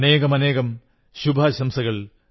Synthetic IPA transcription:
ne̞ːɣɐmɐne̞ːɣɐm | ɕubʱaːɕɐmsɐɣɐɭ

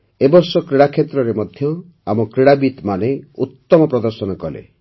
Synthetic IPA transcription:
ebɔɾsɔkɾiɽakʰet̪ɾɔɾemɔd̪ʱjɔ | amɔkɾiɽabit̪maneut̪ːɔmɔpɾɔd̪ɔɾsɔnɔkɔlḛ

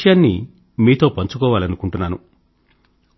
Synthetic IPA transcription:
jaːnːḭ | miːt̪o̞ːpɐɲt͡ʃukɔːʋaːlɐnukuɳʈunːaːnu

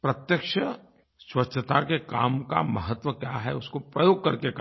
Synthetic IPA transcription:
pɾɐt̪jəkʃə | swɐt͡ʃʃʰət̪akekaːmka̰mɐɦət̪wəkjaɦɛ̰ʊskopɾɐjoːɡ̚kɐɾkeka

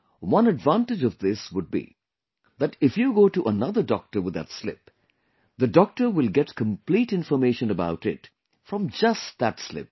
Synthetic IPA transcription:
wʌ̃nɨɖvãntɪd͡ʒʌvðɪswʊɖ̚bḭ | ðæʈɪfjuɡoːʈuʔənʌðəɖɔk̚ʈə˞wɪd̪ə̰tslɪ̰p | ðədɔk̚ʈə˞wɪlˠɡɛʈkə̃mpliʈɪ̃nfəmeɪʃə̃nəbaʊʈɪt | fɾʌ̃md͡ʒʌstd̪ætslɪ̰p̚

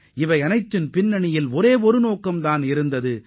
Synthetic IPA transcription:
ɪʋɐɪɐnɐɪt̪ːɪnpɪnːɐɳɪjɪlɔɾeːɔɾɯnoːkːɐmd̪aːnɪɾɯnd̪ɐðɯ

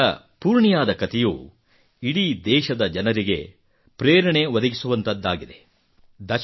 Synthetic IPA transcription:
ɐ | puːɾɳijaːd̪ɐkɐt̪ɛjuː | iɽid̪ɛːʃɐd̪ɐd͡ʒɐnɐɾiɡe̞̰ | pɾeːɾɐɳe̞ʋɐd̪ɐɡisuʋɐnt̪ɐd̪ːaːɡid̪e̞ | d̪ɐʃ

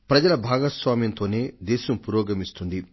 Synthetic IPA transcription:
pɾɐd͡ʒɐlɐbʱaːɡɐsʋaːmjɐnt̪o̞ːne̞ːd̪ɛːʃɐmpuːɾoːɡɐmist̪und̪i

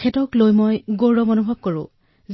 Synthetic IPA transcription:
ɛtɔklojmojɡoɹɔmonubʱɔb̚koɹʊ̰̃ | z

